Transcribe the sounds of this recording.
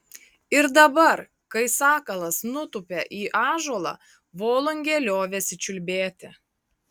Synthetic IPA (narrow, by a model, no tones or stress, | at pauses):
ɪɾd̪ɐbɐɾ | kɐɪsɑːkɐlˠɐsnʊt̪ʊpʲɛʔiːʔɑːʒoːlˠɑ̰ | ʋoːlˠʊŋʲɡʲɛlʲoːʋʲɛsʲɪt͡ʃʲʊlʲbʲeːt̪ʲɪ